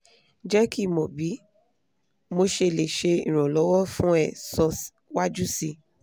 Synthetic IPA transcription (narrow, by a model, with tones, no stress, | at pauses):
d͡ʒɛ˦ki˦˨mɔ̃˨bi˨˦ | mo˧ʃe˧˨le˨ʃe˧ḭ̃˨ɾ̃ɔ̃˨lɔ˨˦wɔ˦fũ˦ɛ˦˨sɔ˧ | wa˦d͡ʒu˦si˧